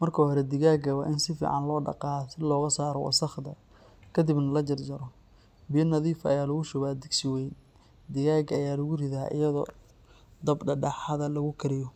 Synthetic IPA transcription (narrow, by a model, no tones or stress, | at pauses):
mɐrkʰɐhɔɾɛd̪ɪɣaːɡɐwɑ̰ːʔɪnsɪfḭːʕɑ̰nlɔːɖɑ̰qɑːsɪlɔːɣɐsaːɾɔwɑ̰sɐχd̪ɐ | kʰɐd̪ɪbnɐlɐt͡ʃɐrd͡ʒɐɾɔ | bɪjɐnɐðiːfɐ̰jaːlɐɣʊʃʊβaːd̪ɪɡsɪwɛjn | d̪ɪɣaːɡɐjaːlɐɣʊrɪðaːʔɪ̰jɐðɔ̰ː | d̪ɐbɖɐɖɑħɑðɐlɐɣʊkʰɐɾɪjɔ